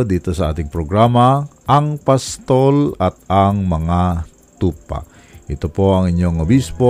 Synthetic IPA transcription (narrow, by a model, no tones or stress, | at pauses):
d̪it̪osɐa̰t̪iŋpɾoɡɾamaʔaŋpast̪olat̪̚aŋmɐŋa | t̪upa̰ | ʔit̪opoaŋiɲjoŋobispo